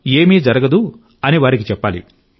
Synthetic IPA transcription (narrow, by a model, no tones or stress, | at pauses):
eːmiːd͡ʒɐɾɐɡɐd̪u | ɐniʋaːɾikit͡ʃɛpːaːlḭ